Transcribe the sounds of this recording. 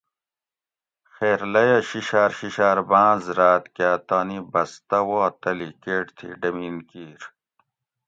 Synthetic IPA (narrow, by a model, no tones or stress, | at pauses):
xeːɾlɐjɐɕiɕaːɾɕiɕaːɾbãːzɾaːt̪kjaːt̪aːnibɐst̪ɐwoːt̪ɐlikeːʈt̪ʰḭɖɐmiːnkiːɾ